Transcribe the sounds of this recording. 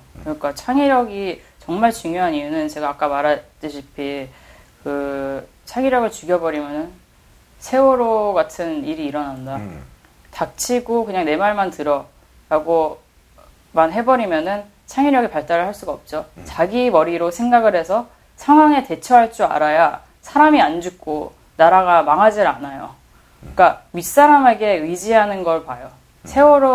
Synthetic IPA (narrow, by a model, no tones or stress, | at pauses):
kɯik͈at͡ɕʰaŋiɾjʌɡi | t͡ɕʌŋmaɭt͡ɕuŋjoɦanijunɯnt͡ɕe̞ɡaːk͈amaɾad͡ʑ͈ɯɕʰipʰi | kɯ | t͡ɕʰaŋiɾjʌɡɯɭt͡ɕuɡjʌbʌɾimjʌnɯn | sʰe̞oɾoɡatʰɯniɾiːɾʌnanda | tak̚t͡ɕʰiɡokɯɲaŋne̞maɭmantɯɾʌ | ɾaɡo | manɦe̞bʌɾimjʌnɯn | t͡ɕʰaŋiɾʌɡepaɭt͈aɾɯɭhaɭs͈uɡaʌp̚t͡ɕ͈ot͡ɕaɡimʌɾiɾosʰe̞ŋɡaɡɯɾhe̞sʰʌ | sʰaŋwaŋe̞te̞t͡ɕʰʌɦaɭt͡ɕ͈ua̰ɾaja | sʰaɾamiand͡ʑuk̚k͈o | naɾaɡamaŋɦad͡ʑiɾanajo̰ | k͈amis͈aɾame̞ɡe̞id͡ʑiɦanɯnɡʌɭpajo | sʰe̞woɾo